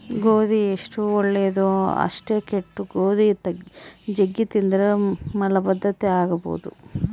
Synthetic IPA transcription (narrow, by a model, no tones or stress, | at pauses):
ɡoːd̪ieʂʈuɔɭːeːd̪oɐ̰ʂʈeːkeʈːuɡoːd̪it̪ɐd͡ʒeɡːit̪ind̪iɾemɐlɐbɐd̪ʱːɐt̪eaːɡɐbo̰ːd̪ṵ